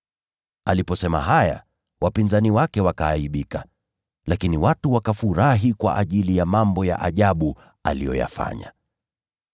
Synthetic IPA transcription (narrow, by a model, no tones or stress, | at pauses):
alipɔsɛma̰ɦaja̰ | wʔapinzaniwakɛwakaːiɓika | lakiniwatuwakafuɾaɦikwa̰ʔaʄilijamambɔja̰ʔaʄaɓu | a̰lijɔja̰fa̰ɲa̰